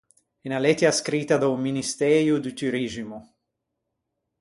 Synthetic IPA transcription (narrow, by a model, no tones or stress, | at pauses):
ɛnalɛt̪jaskɾit̪ad̪auminist̪ɛːɾjud̪yt̪yɾiʒimu